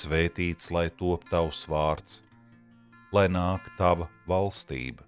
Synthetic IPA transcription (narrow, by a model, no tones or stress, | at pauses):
sveːt̪iːt̪slˠajt̪uɔp̚t̪awsvaːɾt̪s | lˠajnaːkt̪avɐvalˠst̪ḭːbə